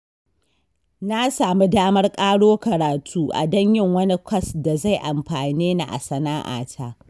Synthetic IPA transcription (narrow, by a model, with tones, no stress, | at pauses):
na˦saː˨mi˦daː˦mɐ˦rkʼaː˦ɽoː˦kɐ˨ɾaː˨tʰuː˦ʔa̰˨dɐ˦ɲjɪ˦˨ŋwɐ˦ni˦kʷʰɐ˦˨sda˨za˦˨jʔa˨mɸaː˨niː˦na˨ʔa̰˨sɐ˨naː˦ʔa̰ː˨tʰaː˦